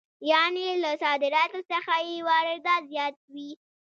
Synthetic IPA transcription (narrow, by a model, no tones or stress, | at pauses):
jɑnelasɑd̪ɪɾɑt̪osəxajewɑɾɪɾd̪azjɑt̪̚wi